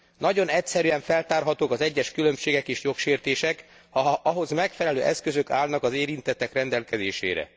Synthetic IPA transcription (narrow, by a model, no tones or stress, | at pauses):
nɒɟo̞nɛcsɛɾyɛɱfɛlt̪aːrɦɒt̪oːkɒzɛɟːɛʃkylø̞mʃeːɡɛkeːʃjo̞kʃeːrt̪eːʃɛk | ɒɦo̞zmɛkfɛlɛløːʔɛskøzø̞kaːlnɒkɒzeːɾint̪ɛt̪ːɛkrɛnd̪ɛlkɛzeːʃḛːɾɛ̰